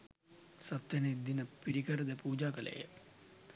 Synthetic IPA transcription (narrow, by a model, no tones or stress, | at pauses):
sɐt̪ːjɐned̪inəpiɾikəɾəd̪əpuːd͡ʒaːkəlʔə̰jə̰